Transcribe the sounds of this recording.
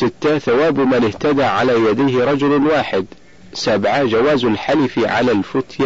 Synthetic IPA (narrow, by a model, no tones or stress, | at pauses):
ɪt̪ːaθawaːbmanɪht̪ad̪aːʕa̰laːjad̪ajhɪɾˤɑd͡ʒʊlwaːħɪd̪ | sabʕad͡ʒawaːzalħalɪfʕa̰lalfʊt̪ja